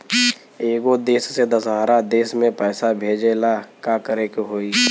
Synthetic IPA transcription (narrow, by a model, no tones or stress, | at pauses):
eːɡod̪eːsːed̪əsɦaːɾad̪eːsmẽpɛːsabʱeːd͡ʒelakaːkəɾekɦoːiː